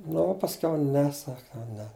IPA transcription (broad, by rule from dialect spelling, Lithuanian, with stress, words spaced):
ˈnʊ oː pɐsʲˈkʲɛʊ ˈnʲɛ ˈsɐk jɛʊ ˈnʲɛ